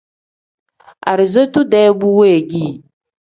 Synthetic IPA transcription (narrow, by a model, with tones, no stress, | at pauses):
a̰˨ɾɪ˨zə˦tu˦dɛ˦bu˦we˦˨ɡi˦˨